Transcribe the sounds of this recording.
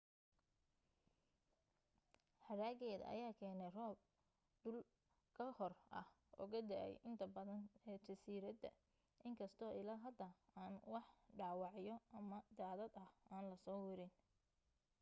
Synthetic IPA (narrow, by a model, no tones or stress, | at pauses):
ħɑɾaːɣɛːð̰ʔɐ̰jaːkʰɛːnɛrɔːb̚ | d̪ʊl | kʰɐhɔrɐ̰h | ɔ̰ːɣɐd̪a̰ːʔɛ̰jʔɪnt̪ʰɐbɐðɐnɛːt͡ʃɐsiːɾɐd̪ɐ̰ | ʔɪŋkʰɐst̪ʰɔːʔɪlaːɦɐd̪ɐaːnwɑħɖaːwɑʕjɔʔɐmɐd̪aːðɐd̪ɐhʔaːnlɐsɔːwɪɾɪn